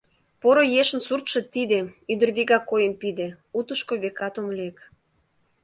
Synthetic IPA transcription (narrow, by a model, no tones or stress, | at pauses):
poɾojeʃə̆nsurt̪ʃĕt̪id̪eyd̪ə̆rβiɣɑkːojəmpid̪e | ut̪əʃkoβekɑt̪omlek